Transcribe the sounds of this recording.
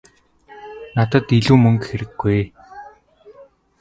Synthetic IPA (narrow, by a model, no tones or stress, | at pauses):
nat̪ə̆t̪iɮuːmɵŋkxeɾɘ̆ɡːuj